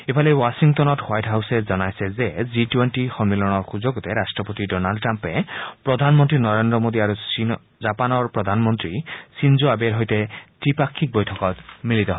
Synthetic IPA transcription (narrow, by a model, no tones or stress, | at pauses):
epʰalewasiŋt̪ɔnɔthwajʈɦawsed͡ʒɔnajsezed͡ʒiʈweɳʈixɔmmelɔɽ̃ɔɾxud͡ʒoɡut̪eɾasʈɾɔpot̪iɖɔnalɖʈɾampepɾɔd̪ʱanmɔnt̪ɾinɔɾend̪ɾɔmod̪iaɾusi | d͡ʒapanɔɾpɾɔd̪ʱanɔmɔnt̪ɾisind͡ʒoabeɾɦojt̪eʈipakʰːik̚bɔjtʰɔkɔt̪milit̪ɔɦɔ